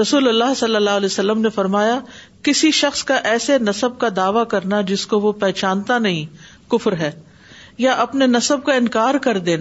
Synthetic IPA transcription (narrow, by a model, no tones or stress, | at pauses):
ɾɐsuːlɐlːaːɦsɐlːɐlːaːɦlɛːsɐlːəmnefɐɾmaːja | kɪsiʃɐxskaʔɛːsenɐsəb̚kad̪aːʋakɐɾnad͡ʒɪskoʋopɛːt͡ʃaːnt̪anɐɦĩ | kʊfɾɦɛː | jaʔɐpnenɐsəb̚kaɪ̃nkaːɾkɐɾd̪eːna